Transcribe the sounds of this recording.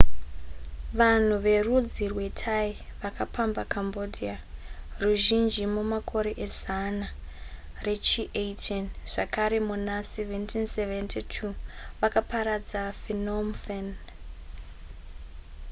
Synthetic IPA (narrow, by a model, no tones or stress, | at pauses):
ʋan̤uʋe̞rud͡zirwe̞tʰaiʋakʰapʰambakʰambodʱiaruʒind͡ʒimumakʰo̞ɾe̞ʔezana | re̞t͡ʃiʔeitʰenʐ̥akaɾe̞munaseventʰinseventʰitʰuʋakapaɾad͡zafinomfen